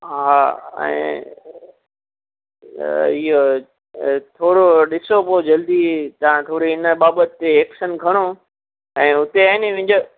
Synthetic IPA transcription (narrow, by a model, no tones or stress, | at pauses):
ɦaːɛ̰̃ː | ɪɦo | t̪ʰoːɽoɗɪsopod͡ʑɐld̪it̪ɐʋ̤ãt̪ʰoːɾiɪnəɓaːbət̪ːeːkʃənkʰɐɽ̃o | ɛ̃ːʊt̪eaɪniʋɪ̃ɲ̆d͡ʑo